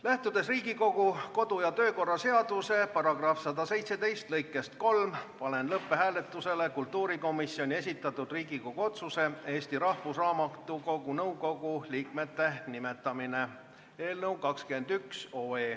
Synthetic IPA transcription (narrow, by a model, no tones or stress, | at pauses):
læht̪ud̪e̞sriːɡiko̞ɡ̥uko̞d̪̥ujɑt̪ø̞ːko̞rːɑse̞ɑd̪̥use̞pɑrɑɡ̥rɑfsɑd̪ɑse̞jt̪se̞d̪e̞jst̪lɤjkːˑe̞st̪̚ko̞lmpɑle̞nlɤpːe̞ɦæːle̞t̪ːˑuse̞le̞kult̪ːuːɾiko̞misio̞nʲie̞s̬ʲit̪ːˑɑt̪ːˑud̪riːɡiko̞ɡ̥uo̞t̪suse̞e̞ːsʲt̪iɾɑhfusrɑːmɑt̪ːˑuko̞ɡunɤwɡo̞ɡ̥uliːkme̞t̪ːe̞nime̞t̪ːˑɑmine̞ | e̞ːlnɤwkɑkskend̪ykso̞ːe̞ː